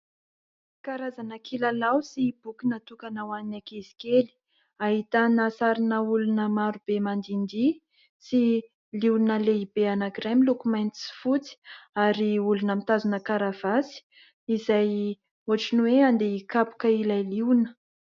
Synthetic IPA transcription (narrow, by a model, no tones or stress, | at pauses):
kaɾazanakʰilalawsib̥ukinat̪ukanawaninakezi̥keli̥ | aɦit̪anasaɾinəulunəmaɾub̥emand̪ind̪i | si | liunəleibeanaɡɾamilukumajnt̪i̥si̥fut͡si̥aɾiulunəmit̪azunəkaɾav̥asi̥ | izaj | oaʈ͡ʂinweand̪eikapu̥kəilajliwnə̥